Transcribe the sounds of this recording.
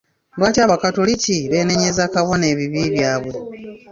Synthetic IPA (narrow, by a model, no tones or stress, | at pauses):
lwaːcaβakatoliciβe̞ːneɲezakaβo̞ne̞ːβiβiːβjaːβwe̞